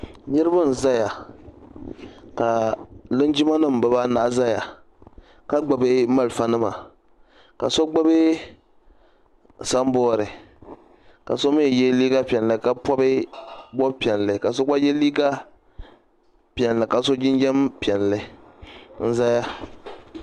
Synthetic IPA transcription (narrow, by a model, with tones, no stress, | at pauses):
ɲɨ˦ɾɨ˦ba˦n̩˨za˦ja˨ | ka˨lɨ˦nd͡ʒi˦ma˦nɨ˦m˨bɨ˨ba˦na˨ʔza˦ja˨ | ka˦ɡ͡ba˨bɨ˦ma˦˨lfa˦nɨ˦ma̰˨ | ka̰˨so˦ɡ͡ba˦be˦ | sa˦m˦bɔː˦ɾɨ˨ | ka̰˨so˦me˦˨jɛ˦liː˦ɡa˦pi˨ɛ˨nlɨ˨ka˦pɔ˦bɨ˦bɔ˦pi˨ɛ˨n˨lɨ˨ka˨so˦ɡ͡ba˦jɛ˦liː˦ɡa˦ | pi˨ɛ˨n˨lɨ˨ka˨so˦d͡ʒɪ˦nd͡ʒɛ˦mpi˨ɛ˨n˨lɨ˨ | n̩˦za˦ja˦